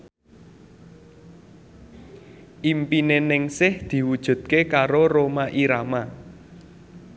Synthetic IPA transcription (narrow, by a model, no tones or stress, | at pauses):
ʔimpinenɪŋsɪhd̪̥i̤wud̥ʒ̥ṳt̪̚kekaɾoromaʔiɾama